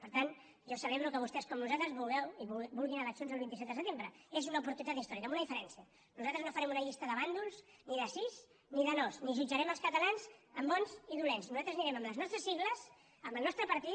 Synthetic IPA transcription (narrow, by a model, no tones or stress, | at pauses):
pəɾt̪an | ʒɔsəβeβɾukəβust̪ɛskɔmnuzalt̪ɾəzβulˠɣɛwiβbulˠɣinələsunzəlˠβint̪isɛt̪d̪əsət̪embɾəezunəupuɾt̪unit̪at̪ist̪ɔɾikəmunəðifəɾɛnsiə | nuzalt̪ɾəznofəɾɛmunəʎist̪əðəβand̪ulˠzniðəsiz | niðənɔzniʒud͡ʒəɾɛməlˠskət̪əlanzəmbɔnziðulɛnsnuzat̪ɾəzniɾɛməmləznɔst̪ɾəsiɣləz | əmbəlˠnɔst̪ɾəpəɾt̪it̪